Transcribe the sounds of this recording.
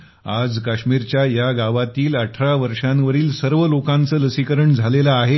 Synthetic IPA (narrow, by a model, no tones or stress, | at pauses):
ad͡zkaɕmiːɾt͡ɕjajaɡaʋat̪iːləʈʰɾaʋəɾʂãʋəɾiːlsəɾʋəlokãnt͡səːləsikəɾəɳd͡zʱalelaːɦe